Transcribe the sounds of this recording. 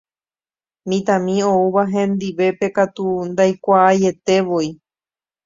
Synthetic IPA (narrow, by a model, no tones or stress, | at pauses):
mĩt̪ãmĩouβaɦẽ̞nd̪iʋe̞pe̞kat̪und̪ajkʷaːje̞t̪e̞ʋoi